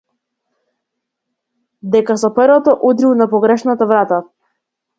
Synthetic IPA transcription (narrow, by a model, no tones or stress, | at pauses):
d̪ɛkasɔpəɾvɔt̪ɔʔud̪ɾilˠnapɔɡɾɛʃnat̪avɾat̪a